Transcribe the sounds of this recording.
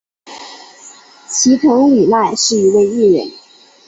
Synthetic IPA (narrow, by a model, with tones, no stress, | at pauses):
t͡ɕʰi˧˥t̪ʰʊ˧˥ŋy˨˩la˥˧ɪʂɻ̩˥˩i˧˥we˥˧ɪi˥˩ɻə̰˧˥n